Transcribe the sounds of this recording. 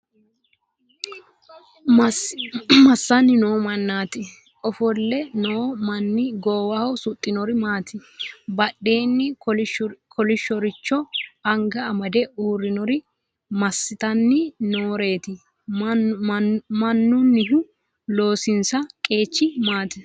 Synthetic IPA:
mɐsːɐnːɪnoːmɐnːaːt̪ɪ | ʔɔfɔlːɛnoːmɐnːɪɡoːwɐhɔsʊt̪ʼːɪnɔɾɪmaːt̪ɪbɐɗe̞ːnːɪɔkʰɔlɪʃːɔɾɪt͡ʃːɔɐŋɡɐːmɐd̪ɛuːɾːɪnɔɾɪ | mɐsːɪt̪ɐnːɪnoːɾe̞ːt̪ɪ | mɐnːʊnːɪɦʊ | lo̞ːsɪnsɐkʼe̞ːt͡ʃːɪmaːt̪ɪ

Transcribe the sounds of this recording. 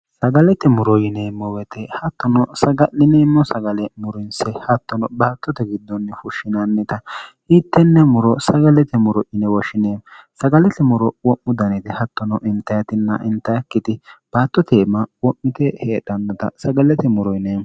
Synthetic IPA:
sɐɡɐlɛt̪ɛmʊɾɔjɪneːmːɔwɛt̪ʰɛhɐt̪ːɔnɔsɐɡɐnɪneːmːɔsɐɡɐlɛmʊɾɪnsɛhɐt̪ːɔnɔbaːt̪ːɔt̪ɛɡɪd̪ːɔnːɛfʊʃːɪnɐnːɛt̪ɐ | iːt̪ːɛnːɛmʊɾɔsɐɡɐlɛt̪ɛmʊɾɔʔɪnɛwɔʃɪneːmsɐɡɐlɛt̪ɛmʊɾɔwɔʔːʊd̪ɐnɛt̪ɛhɐt̪ːɔnɔʔɪnt̪ːɐjɐt̪ɪnːɐʔɪnt̪ːɐjɐkːɪt̪ɪb̥aːt̪ːɔt̪eːmɐwɔʔːɪt̪ɛheːᶑɐnːɔt̪ɐ̰sɐɡɐlɛt̪ɛmʊɾɔjneː

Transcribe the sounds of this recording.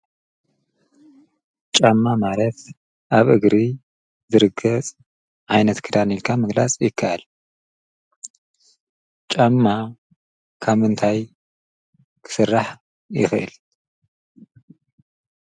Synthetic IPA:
t͡ʃʼamːamalɐt̪ | ʔaβʔɨɡɾi | zɨɾɨɡɐt͡sʼ | ʕajnɐt̪kʰɨd̪anilkʰamɨɡla̰t͡sʼjɪkʰːaʔal | t͡ʃʼamːa | kʰaβɨnt̪ʰaj | kʰɨ̥sɨrːaħ | jɪ̰xɨʔɨ̰l

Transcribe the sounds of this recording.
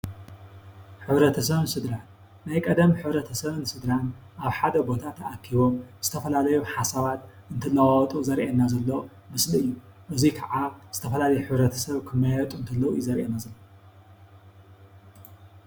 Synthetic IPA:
ħɨβɾɐt̪ʰɐsɐβɨnsɨd̪ɾanː | ajkʼɐd̪ɐmħɨβɾɐt̪ʰɐsɐβɨnsɨd̪ɾan | ʔaβħad̪ɐbo̞t̪ʰat̪ʰɐʔakʰːiβo̞mz̥ɨt̪ʰɐfɐlalɐjuħasaβat̪̚ | ɨnt̪ʰɐlːɐwawt̪ʼuzɐɾʔenːazɐlːo | mɨslɨɨjːuʔɨzikʰɐʕaz̥ɨt̪ʰɐfɐlalɐjuħɨβɾɐt̪ʰɐ̥sɐβkʰɨmːajɛt̪ʼuɨnt̪ʰɐlːɐwujɪzɐɾʔenazɐlːo

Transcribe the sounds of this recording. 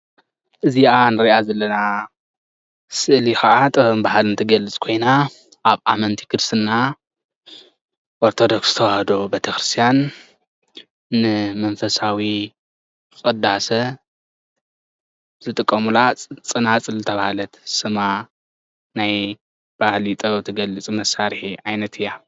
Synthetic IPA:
ʔɨziʔanɨɾiʔazɐlːɐna | sɨʔlixɐʔat̪ʼɐmbahalɨnt̪ʰɨɡɐlːɨt͡sʼkʰo̞jna | ʔaβʔamɐnt̪ʰi̥kɨɾsɨnːa | ʔoɾt̪ʰo̞d̪o̞ksz̥ɨt̪ʰɐwahd̪o̞bet̪ʰɐxɾɨst̪ʰijan | ɨmɐnfɐsawi | ɨxʼɐd̪asɐ | z̥ɨt̪ʼɨkʼːɐmulat͡sʼt͡sʼɨnat͡sʼɨlːɨt̪ʰɐβahlɐt̪sɨma | naj | b̥ahlit̪ʼɐwt̪ʰɨɡɐlɨt͡sʼmɐsːaɾħiʕajnɐt̪ʰɨjːa

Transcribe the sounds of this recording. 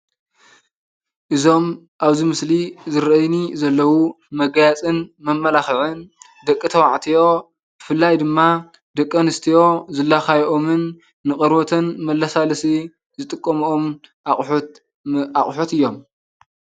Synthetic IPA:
ʔɨzo̞m | ʔaβzimɨslizɨɾɐjnizɐlːɐwu | mɐɡjat͡sʼɨnmɐmːɐlaxɨʕɨn | d̪ɐkʼːɨt̪ʰɐwaʕt̪ʰijo̞ | b̥ɨfɨlːajd̪ɨmːa | d̪ɐkʼːɐnɨst̪ʰijo̞zɨlːaxajʔomɨnː | ɨχʼɐɾbot̪ʰɐnmɐlːasalɐsi | zɨt̪ʼɨkʼːɐmuomʼ | aχʼħot̪ɨjːo̞m

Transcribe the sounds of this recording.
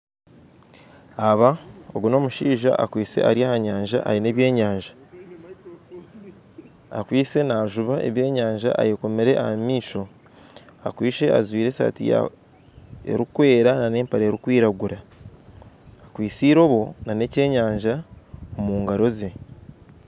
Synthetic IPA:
aβao̰ɡuno̞ːmuʃiːʒa̰ʔa̰kwiːse̞̰aɾiahaɲaːɲʒa̰ʔa̰ine̞ːβje̞ːɲaːɲʒḁ | akwiːse̞naːʒuβaʔe̞̰βje̞ːɲaːɲʒa̰ʔa̰jeko̞meɾe̞ʔa̰hamiːʃo̞ | a̰kwiːʃe̞ʔa̰zwiːɾesa̰tḭja̰ | ḛɾikwe̞ːɾanane̞ːmpaɾeːɾikwiːɾaɡuɾa | kwiːsiːɾo̞ːβo̞nane̞ce̞ːɲaːɲʒaomuːŋɡaɾo̞ze̞

